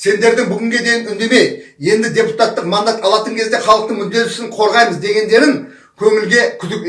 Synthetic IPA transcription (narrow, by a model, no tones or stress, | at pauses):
se̞nd̪e̞ɾd̪ɪŋbʏɡʲɪŋɡʲe̞d̪e̞jɪnʏnd̪e̞me̞jje̞nd̪ɪd̪ʲe̞put̪at̪ːəqmɑnd̪ɑt̪ɑlˠɑt̪əŋkʲʰe̞zd̪e̞χɑlˠəqt̪əɴmʏd̪ːe̞t̪ʏ̥sɪɴqʰo̞ɾʁɑjməzd̪e̞ɡʲe̞nd̪e̞ɾɪŋ | kʲʰɵŋɪlɡʲe̞kʲʰʏd̪ɪkʲ